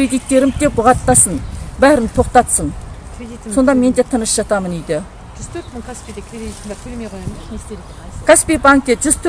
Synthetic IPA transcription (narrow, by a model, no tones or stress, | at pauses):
ɾed̪ijt̪ːe̞ɾɪmd̪e̞pːʊʁɑt̪ːɑsənbæɾɪnt̪ʰo̞qt̪ɑt̪səɴeso̞nd̪ɑme̞nd̪e̞t̪ʰənəsʒ̥ɑt̪ɑmənijd̪ɪ | ʒz̥t̪ʰøɾt̪mɪkʰaspid̪ekʰʲɾeed̪it̪ːd̪kʰɵlemejqʰojmnest̪e | kʰaspijbaŋk̚t̪eʒʏzt̪ʰø